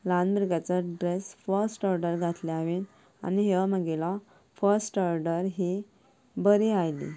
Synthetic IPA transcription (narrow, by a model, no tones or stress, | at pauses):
lãnbɾiɡat͡saɖɾesfəɾsʈɔɾɖəɾɡʱat̪leaʋiːn | a̰niɦeməɡela | fəɾsʈɔɾɖəɾɦi | bəɾiajlḭ